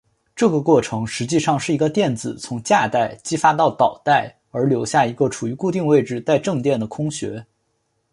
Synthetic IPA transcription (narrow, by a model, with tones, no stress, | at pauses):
ʈ͡ʂɤ˥˩ɡə˩kwɔ˥˩ʈ͡ʂʰɤ˧˥ŋʂɻ̩˧˥t͡ɕi˥˧ʂɑ˥˧ŋʂɻ̩˥˩i˧˥ɡə˧t̪jɛ˥˩nt͡sɹ̩˨˩t͡sʰʊ˧˥ŋt͡ɕja˥˧t̪a˥˩ɪt͡ɕi˥fa˥t̪ɑ˥˩ʊt̪ɑ˨˩ʊt̪a˥˩ɪ | ə˞˧˥ljo˧˥ʊɕja˥˩i˧˥ɡə˧ʈ͡ʂʰu˨˩y˧˥ku˥˧t̪i˥˧ŋwe˥˧ɪʈ͡ʂɻ̩˧t͡sa˥˧ɪʈ͡ʂɤ˥˧ŋt̪jɛ˥˩nd̪ə˩kʰʊ˥ŋɕɥɛ̰˧˥